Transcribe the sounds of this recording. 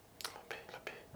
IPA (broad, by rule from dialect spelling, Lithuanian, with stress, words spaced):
lˠɐˈbʲɛɪ lˠɐˈbʲɛɪ